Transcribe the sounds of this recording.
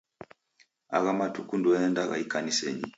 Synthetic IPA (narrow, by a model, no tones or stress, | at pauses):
a̰ɣamatukunduaɛndaɣa̰ikanisɛ̰ɲi